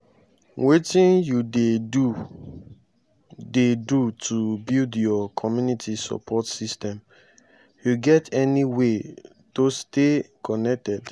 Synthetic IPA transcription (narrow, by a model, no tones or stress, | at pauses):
wetĩnjudeu | dedutʰubildjɔkʰɔmjunitʰisɔ̰pʰɔtsistɛ̃m | juɡɛtʰɛniwe | tostekɔnɛk̚tɛd̥